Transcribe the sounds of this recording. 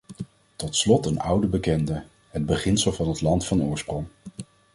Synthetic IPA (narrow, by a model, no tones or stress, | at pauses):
tɔtslɔtənʌ̰wdəbəkɛndə | ɦəd̚bəχɪnsəlˠvɑnɦətlɑntfɑnʊːɹsprɔŋ